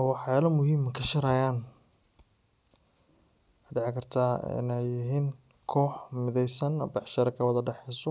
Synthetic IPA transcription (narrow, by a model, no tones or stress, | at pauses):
wɑħjaːlɐmʊhiːmkʰɐʃɐɾɐjaːn | aɖɛʕɪkʰɐrt̪ʰaːɪ̰nɛjɪɦiːn | kʰɔːħmɪðɛjsɐnɐbɑħʃɐɾɐkʰɐwɐðɐɖɛħɛjsɔ